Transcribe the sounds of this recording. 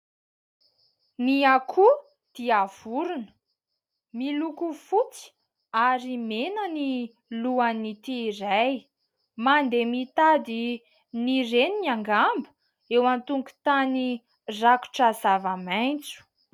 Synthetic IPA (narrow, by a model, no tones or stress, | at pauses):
niakʰu | d̪̥iav̥uɾunə̥ | milukufut͡si̥ | aɾimenəni | luanit̪iːɾaj | mand̪emit̪ad̪i | nireniniaŋɡambə | ewant̪uŋku̥t̪ani | raku̥ʈ͡ʂazavamajnt͡su̥